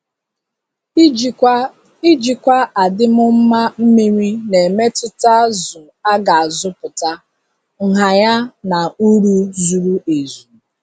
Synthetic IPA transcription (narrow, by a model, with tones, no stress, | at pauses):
i˦d͡ʒi˨kʷa˦a˨dɪ˦mʊ˦m̩˦ma˦m̩˦mi˦ɾʷi˦ne˨me˦tɪ˦ta˦zʊ˨ | a˦ɡa˨a˨zʊ˦pʊ˨ta˦ | ŋ̩˨ɦa˨ja˦na˨u˦ɾu˦zu˨ɾu˦e˨zu˨